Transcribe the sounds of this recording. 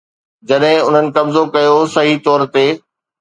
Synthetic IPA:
d͡ʑɐɗɦɪ̃ʊn̤ənɪ̆kɐmzokɐjosɐɦit̪ɔːɾt̪eː

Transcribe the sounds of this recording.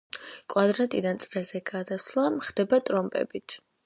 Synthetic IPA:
kʼwad̪ɾat̪ʼid̪ant̪sʼɾɛzɛɡad̪aslˠamχd̪̥ɛbat̪ʼɾɔmpʼɛ̰bit̪ʰ

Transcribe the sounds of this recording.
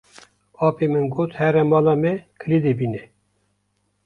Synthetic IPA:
ɑːpʰemɨnɡot̪hɛɾɛmɑːlɑmɛkʰɨlid̪ebinɛ

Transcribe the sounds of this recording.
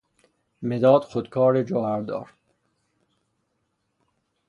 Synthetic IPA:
med̪ɒːd̪̥xod̪kʰɒːɾed͡ʒoːæɾd̪ɒ̰ːɾ

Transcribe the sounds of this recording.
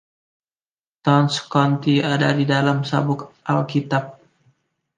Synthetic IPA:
t̪ɔnskɔnt̪iadadidalamsabʊkʔalkit̪ap̚

